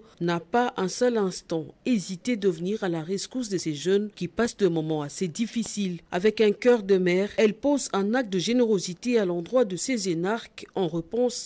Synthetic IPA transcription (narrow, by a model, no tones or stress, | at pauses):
napaʔɛ̃sœlɛ̃st̪ɑ̃ezit̪ed̪əvəniʁalaʁeskus̬d̪əseʒœnkʲipasd̪əmɔmɑ̃ased̪ifisila̰vɛkɛ̃kʲœʁd̪əmɛːʁɛlpozɛ̃nak̚t̪̚d̪əʒeneʁozit̪ealɑ̃d̪ʁwad̪əsezenaʁkɑ̃ʁəpɔ̃s